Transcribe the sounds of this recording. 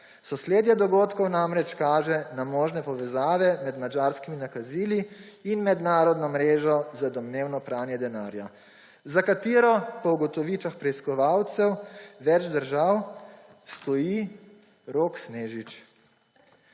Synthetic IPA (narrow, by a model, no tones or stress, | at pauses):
sɔsleːd̪jɛd̪ɔɡoːt̪kɔwnamɾɛt͡ʃkaːʒɛnamɔːʒnɛpɔʋɛzaːʋɛmɛd̪mad͡ʒaɾskiminakaziːliːnmɛd̪naːɾɔd̪nɔmɾeːʒɔzad̪ɔmneːwnɔpɾaːnjɛd̪ɛnaːɾja | zakat̪iːɾɔpɔuɡɔt̪ɔʋiːt͡ʃaxpɾɛiskɔʋawt̪sɛwʋɛd͡ʒd̪əɾʒaw | st̪ɔji | ɾoːksneːʒit͡ʃ